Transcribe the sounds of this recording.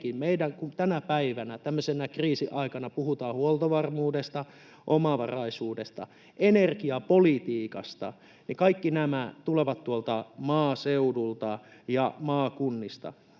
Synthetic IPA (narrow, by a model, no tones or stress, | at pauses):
kimmeidæŋkunt̪ænæpæiʋænæt̪æmːøsenækriːsiʔɑikɑnɑpuhut̪ɑːhuolt̪oʋɑrmuːdest̪ɑ | ʔomɑʋɑrɑisuːdest̪ɑ̰ | enerkiɑpolit̪iːkɑ̰st̪ɑ̰ | nikɑikːinæmæt̪uleʋɑt̪t̪uolt̪ɑmɑːseudult̪ɑ | jɑmɑːkunːist̪ɑ̰